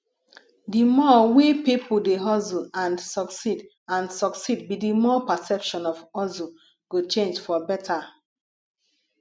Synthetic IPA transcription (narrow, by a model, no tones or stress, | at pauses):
dimɔwepipʰudeɦɔzuãnsɔksid | ãnsɔksid̚bidimɔpasɛpʃɔ̃nɔvɔzu | ɡ̥ot͡ʃẽnd͡ʒfɔbɛtʰa